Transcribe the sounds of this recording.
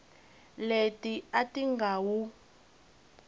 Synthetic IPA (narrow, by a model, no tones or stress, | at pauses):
letiatiŋɡʱaːwu